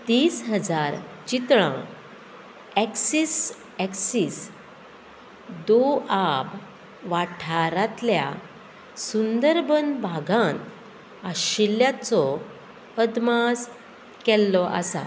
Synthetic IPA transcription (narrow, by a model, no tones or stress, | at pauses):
t̪iːsɦəd͡zaɾt͡ɕit̪ɭã̰ | ɛksis | ɛksis | d̪oab | ʋaʈʰaɾat̪lja̰ | sund̪əɾbənbʱaɡʱãn | aɕilːjat͡sɔ | əd̪mas | kɛlːɔʔa̰sa̰